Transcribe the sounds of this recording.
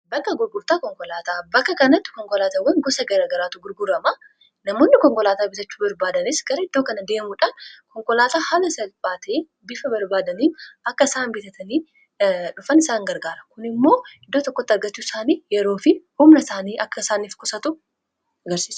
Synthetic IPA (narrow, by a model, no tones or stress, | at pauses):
bɐkːɐɡʊɾɡʊɾt̪aːkɔŋkɔlaːt̪aːbɐkːɐkɐnɐt̪ːɪ̥kɔŋkɔlaːt̪ɐwɐŋɡɔsɐɡɐɾaːɡɐɾaːt̪ʊɡʊɾɡʊɾɐma | nɐmoːnːɪkɔŋkɔlaːt̪aːbɪt̪ɐt͡ʃːu̥ːbɐɾbaːd̪ɐnɪsɡ̥ɐɾɐɪd̪̥ːoːkɐnɐd̪e̞ːmuᶑaːnkɔŋkɔlaːt̪aːhalɐsɐlbaːt̪ɐ | bɪfɐbɐɾbaːd̪ɐniːfɐkːɐɪsaːnbɪt̪ɐt̪ʰɐniː | ᶑʊfɐnɪsaːŋɡɐɾɡaːɾɐkʊnɪmːo̞ːɪd̪ːoːt̪ɔkːɔt̪ːɪɐɾɡɐt͡ʃːu̥ːsaːniːjɛɾo̞ːfɪhʊmnɐsaːniːʔɐkːɐɪsaːniːfkʊsɐt̪ʊ | ɐɡɐɾsiːs